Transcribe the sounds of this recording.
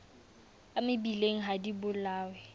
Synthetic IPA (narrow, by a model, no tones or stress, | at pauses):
amɪbileŋ̩ɦadibʊlaːwɛ